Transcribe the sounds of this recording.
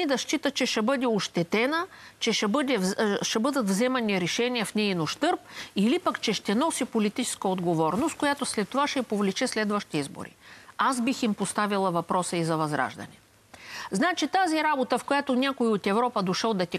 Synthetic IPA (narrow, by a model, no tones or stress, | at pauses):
id̪ɐʃt͡ʃit̪ət͡ʃɛʃɛbɤd̪ɛoʃt̪ɛt̪ɛnət͡ʃɛʃɛbəd̪ɛʃɛbɤd̪ɐt̪vzɛmɐniɾɛʃɛniɛfnɛinoʃt̪ɤɾp̚ilipɐkt͡ʃɛʃt̪ɛnɔsipolit̪it͡ʃɛ̥skəod̪ɡovɔɾnost̪̚kojat̪oslɛt̪ːovaʃɛpovlit͡ʃɛslɛd̪vəʃt̪iizbo̰ɾḭazbiximpost̪avilˠəvɐpɾɔsəizɐvɐzɾa̰ʒd̪ɐ̰nɛ | znat͡ʃit̪aziɾabot̪əfkojat̪onʲakoiot̪ɛvɾɔpəd̪oʃəlˠd̪ɐt̪ʲi